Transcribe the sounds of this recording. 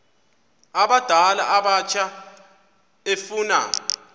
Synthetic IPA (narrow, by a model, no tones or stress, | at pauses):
aɓad̥ʱala̰ʔaɓat͡ʃʰa | efuːna̰